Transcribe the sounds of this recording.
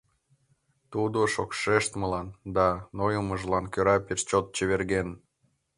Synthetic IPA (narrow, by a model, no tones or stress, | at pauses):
t̪ud̪oʃokʃeʃt̪məlɑnd̪ɑnojoməʒlɑnkøɾɑpeʃt͡ɕot̪̚t͡ɕeβerɣen